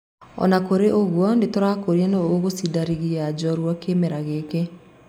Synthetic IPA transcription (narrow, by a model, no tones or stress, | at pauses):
ɔ̰nakoɾeʔoɣwɔndetoɾakoɾianooɣosidaɾiɣiad͡ʑɔɾwɔkemɛɾaɣeːke